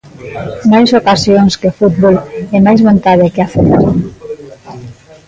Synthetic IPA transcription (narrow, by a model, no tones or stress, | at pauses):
najsokasjoŋskefut̪̚βolɛmajzβont̪aðekeafet̪o